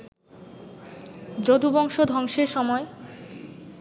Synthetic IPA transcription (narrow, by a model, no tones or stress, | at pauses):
d͡ʑod̪ubɔŋʃod̪ʱɔŋʃeɾʃɔmɔe